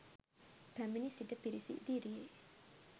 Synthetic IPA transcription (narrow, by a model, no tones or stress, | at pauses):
pæminisiʈəpiɾisḭʔd̪iɾie